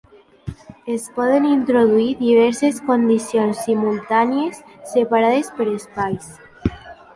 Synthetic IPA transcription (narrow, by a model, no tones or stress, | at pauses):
espɔðenint̪ɾoð̞uiðiβ̞ɛɾseskond̪isjonsːimulˠt̪anjesːepaɾaðespeɾespajs